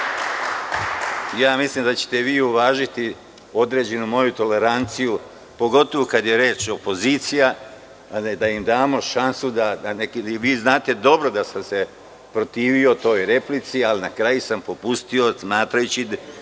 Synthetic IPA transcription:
jaːmislimd̪at͡ɕe̥t̪e̞ʋiːuʋaːʒit̪i | o̞d̪ɾe̞ːd͡ʑe̞numo̞jut̪o̞le̞ɾant̪siju | po̞ɡo̞t̪o̞ʋokad̪je̞ɾe̞ːt͡ʃo̞po̞ziːt̪sija | d̪aimd̪aːmo̞ʃansud̪ad̪anekiiʋiːznaːt̪e̞d̪o̞bɾo̞d̪asamse̞ | pɾo̞t̪iːʋio̞t̪o̞ːjɾe̞plit̪sialinakɾajusampo̞pust̪io̞smaːt̪ɾajut͡ɕi

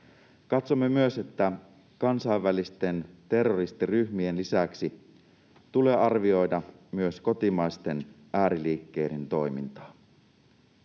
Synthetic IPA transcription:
kɑt̪so̞mːe̞myøse̞t̪ːæ | kɑnsɑiʋːælist̪e̞nt̪e̞rːo̞rist̪iryçmie̞nlisæksi | t̪ule̞ːɑrʋio̞jdɑmyøsko̞t̪imɑjst̪e̞n | ʔæːɾiliːkːe̞jdent̪o̞jmḭnt̪ɑ̥ː

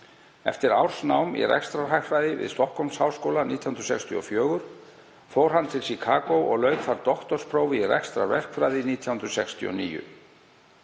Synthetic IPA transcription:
ɛ̰ft̪ɪɾawɾ̥snawmḭrɛ̰kst̪ɾaɦajɾajðɪvɪ̰ðst̪ɔhkɔwmshawskoːwlaniːt̪ʰjahʏnɾsɛkst̪ʰiɔfjœːɣʏɾ̥ | foːwɾ̥ɦanːt̪ʰɪlsikʰaːkowʔɔ̰ɣlœːɥkfaɾt̪ɔxt̪ɔɾ̥spʰɾoːwvɪirɛ̰kst̪ɾa̰vɛ̰r̥kfɾaːjðɪniːt̪ʰjawhʏnɾsɛkst̪ʰiɔ̰niːjʏ̰

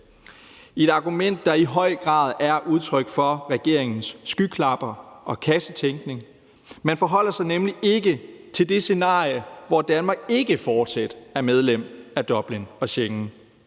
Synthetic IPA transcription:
e̝d̥ɑ̈ɡ̥umen̰d̥ːɑ̈iɦɒ̽ɪ̰ɡ̥ʁɑ̰̈ːð̞̩ˠæɐʔuð̞ˠt͡sʰʁœɡ̥fɒ̽ʁɛɡ̥e̝ɐ̰eŋn̩sːɡ̥ykʰlɑ̈b̥ɐʔɒ̽kʰæsət͡sʰeŋɡ̥ne̝ŋ | mænfɒɦɒ̽l̰ɐsɑ̈ɪnemlie̝ɡ̥ət͡sʰe̝ld̥e̝se̝nɑ̰̈ːjəʋɒd̥ænmɑ̈ːɡ̥̚e̝ɡ̥əfɒːd̥sæd̥æɐmeð̞ˠlem̰æd̥ɒ̽b̥linɒ̽ɕeŋn̩

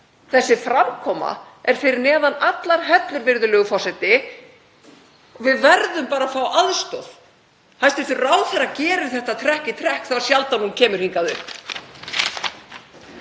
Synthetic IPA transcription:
θɛsːɪfɾamkʰɔːma̰ɛɾ̥fɪɾɪɾnɛːðanat̪laɾ̥ɦɛt̪lʏɾvɪɾðʏlɛːɣʏfɔrsɛt̪ɪ | ɔvɪðvɛɾðʏmpaːɾafawʔaðst̪ɔð̥ | hajst̪ɪfɪɾraːwθɛɾacɛːɾɪɾθɛht̪at̪ʰɾɛhcɪt̪ʰɾɛhkθavaɾ̥sjalt̪anuncʰɛːmʏɾ̥hiŋkaðʏhp

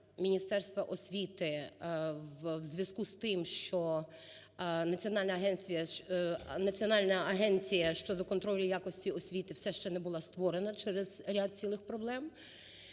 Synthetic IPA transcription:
mʲinʲist̪ɛrst̪ʋɐʔɔsʲʋʲit̪ɪ | ʋwzʲʋʲjɐskust̪ɪmʃt͡ʃɔ | nɐt͡sʲiɔnɑlʲnɐɐɦɛnt͡sʲijɐ | nɐt͡sʲiɔnɑlʲnɐɐɦɛnt͡sʲijɐʃt͡ʃɔd̪ɔkɔnt̪ɾɔlʲijakɔsʲtʲiɔsʲʋʲit̪ɪwsɛʃt͡ʃɛnɛbʊlˠɑst̪ʋɔɾenɐt͡ʃɛɾezɾʲad̪̚t͡sʲilˠɪxpɾɔblˠɛm

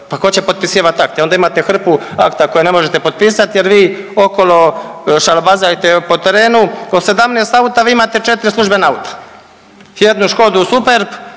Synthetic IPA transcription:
pakot͡ɕepo̞d̪̚pisiːʋat̪akt̪eod̪aimat̪e̞xr̩puakt̪ako̞jene̞moʒet̪e̞po̞d̪̚piːsat̪jeɾʋiːo̞ko̞lo̞ʃalabazajet̪epo̞t̪eɾe̞ːnuose̞d̪amnest̪aut̪aʋiːimaːt̪et͡ʃet̪iɾislˠuʒbe̞naaut̪ʰḁ | jed̪nuʃko̞d̪usupe̞ɾp

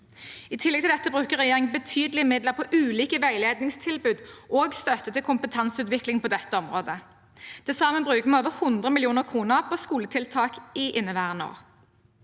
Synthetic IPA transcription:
ɪt̪ʰɪlːɛɡ̚t̪ɪd̪ɛt̪ːəbʁʉːkəʁɛjeːʁɪŋbət̪ʰyːd̪əlɪmɪd̪ləʁpʰɔʔʉːliːkəʋæɪleːd̪nɪŋst̪ʰɪlbʉːd̪ʔoːɡst̪œt̪ːət̪ɪlkʰʊmpət̪ʰɑnsʉːt̪ʋɪklɪŋpʰɔd̪ɛt̪ːəɔmʁoːd̪ə | d̪̥ɛsɑːmənbʁʉːkəmɛoːʋəhʊnd̪ʁəmɪljuːnəʁkʰʁuːnəʁpʰɔskuːlət̪ʰɪlt̪ʰɑːkɪʔɪnːəʋæːʁəno̰ːʁ

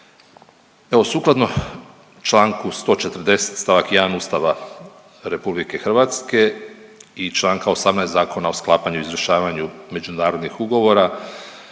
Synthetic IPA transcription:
e̞ʋo̞suːklˠad̪no̞ | t͡ʃlˠaːŋkust̪o̞ːt͡ʃe̞t̪r̩d̪e̞se̥t̪st̪aʋakjd̪anuːst̪aʋa | ɾe̞publike̞xr̩ʋat̪ske̞ | it͡ʃlˠaːŋkao̞samnajszaːko̞nao̞sklˠaːpaɲuizɾəʃaːʋaɲume̞d͡ʒunaːɾo̞d̪nixuɡo̞ʋo̞ɾa

